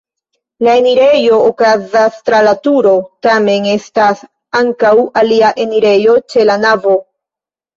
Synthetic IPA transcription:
lae̞niɾe̞jo̞ːkazastɾalatuɾo̞tame̞ne̞stas | aŋkawaliaʔe̞niɾe̞jo̞t͡ʃe̞lanavo̞

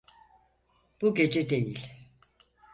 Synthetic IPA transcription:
b̥uɟe̞d͡ʒɛd̪e̞jilʲ

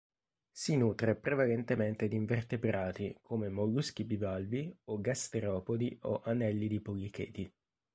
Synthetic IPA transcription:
sinuːt̪ɾepɾevalɛnt̪ement̪ed̪iɱvert̪ebɾaːt̪ikʰoːmemoɡusk̟ibivalvioɡast̪eɾɔːpod̪io̰ʔanɛlːid̪ipoɡikeːt̪i

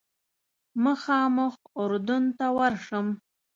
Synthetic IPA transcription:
məxɑːmʊxʊɾd̪ʊnt̪awaɾʂəm

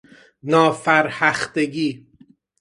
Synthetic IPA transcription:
nɒːfæɾhæxt̪eɟiː

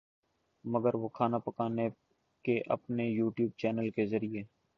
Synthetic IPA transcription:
məɡəɾʋoːkʰaːnapəkaːne | keʔɐ̰pnejuːʈjuːb̚t͡ʃɛːnəlkezəɾieː

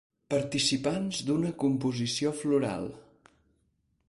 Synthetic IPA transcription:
pəɾt̪isipanzd̪unəkumpuzisiofluɾa̰lˠ

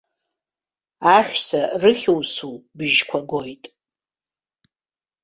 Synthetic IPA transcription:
aħʷsarɨχʲowsubɨʒkʷʰaɡʷojtʼ

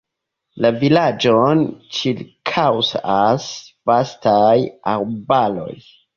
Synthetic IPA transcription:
lavilad͡ʒont͡ʃiɾkʰawsasvastajaɾbalo̞̰j

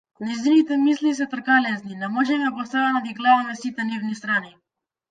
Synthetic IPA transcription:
najzinit̪ɛmislis̬ɛt̪r̩kalɛzninamɔʒɛmɛbɔst̪avanad̪iɡlavamɛsit̪ɛnivnis̬t̪ɾani

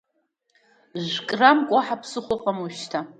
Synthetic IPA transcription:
ʒʷkʼramkʷʼaħapʰsɨχʷʊχqʷʼamuʃtʰa

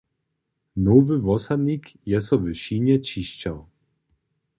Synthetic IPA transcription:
nɔvɘvɔsad̪ɲʲikjɛsɔvɘɕiɲɛt͡ɕiɕt͡ɕaw

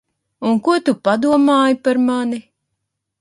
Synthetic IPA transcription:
unkuɔt̪upad̪uɔmaːjipaɾmani

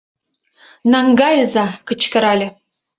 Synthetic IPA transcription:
nɑŋɡɑjəzɑkə̆t͡ɕkə̆ɾɑlʲɘ̆

